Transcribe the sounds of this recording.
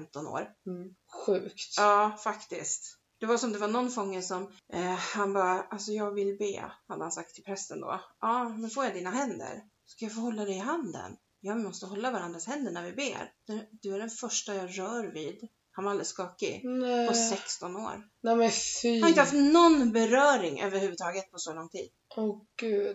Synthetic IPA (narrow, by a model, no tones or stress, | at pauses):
fɛmt̪ɔno̰ːɾ | ɧʉ̟ːkt̪ɑːfakt̪ɪskt̪ | d̪̥ɛvaɾsɔmd̪ɛvaɳɔnːfɔŋːəsɔmʔhanbɑːɾaʔalsɔjɑːɡvɪlːbḛːhad̪ːəhansak̚t̪ʰːɪlpʰɾɛst̪ənd̪o̰ːʔɑːmɛnfoːɾjad̪iːnaɦɛnd̪ə̰ɾ | ɔskajafoːhɔlːad̪ɛɪɦand̪ə̰n | jɑːvɪmɔst̪əɦɔlːavaɾand̪ɾashɛnd̪əɳæɾvɪbḛːɾd̪æd̪̥ɵæɖɛnfœʂʈajɑːɾœːɾviːd̪ | hanvaɾald̪ɾəskɑːkɪ̰nɛɔsɛkst̪ɔno̰ːɾ | nɛmɛanaɪnəhaft̪nɔnbɛɾœːɾɪŋʔø̰ːvəɾhʉːvəd̪t̪ʰɑːɡət̪̚pʰɔsɔlɔŋːt̪ʰḭːd̪̥̚ɔɡ̥ʉːd̪